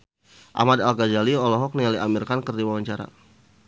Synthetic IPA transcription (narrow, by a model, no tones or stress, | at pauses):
ʔa̰madalkad͡ʒaliɔlɔɦɔk̚nialiʔamirkankərdiwawaɲt͡ʃaɾa̰